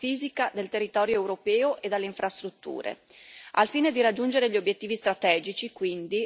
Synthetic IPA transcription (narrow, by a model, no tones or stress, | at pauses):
iːzikad̪elt̪erːit̪ɔːɾjoɛwɾopɛːoʔed̪ːelːeiɱfɾast̪ɾut̪ːṵːɾḛ | alfiːned̪iɾad͡ʒːund͡ʒeɾeʎːiobjet̪ːiːvist̪ɾat̪ɛːd͡ʒit͡ʃikwind̪i